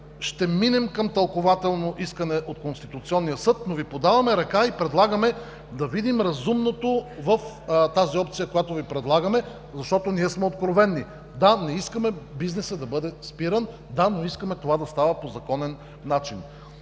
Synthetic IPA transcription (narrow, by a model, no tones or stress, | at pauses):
ʃt̪ɛminɛmkɐmt̪ɐlˠkovat̪ɛlˠnoʔiskənɛʔot̪konst̪it̪ut̪siɔnːijəsɤt̪novipod̪avɐmɛɾɐkaipɾɛd̪lˠaɡɐmɛ | d̪ɐvid̪imɾɐzumnot̪ovəf | t̪aziɔpt̪sijəkojat̪ovipɾɛd̪lˠaɡəmɛ | zɐʃt̪ɔt̪oniɛsmɛot̪̚kɾovɛnːi | d̪anɛiskəmɛbiznɛsəd̪ɐbɤd̪ɛspiɾən | d̪anoiskəmɛt̪ovad̪ɐst̪avɐpozɐkɔnɛnː | at͡ʃin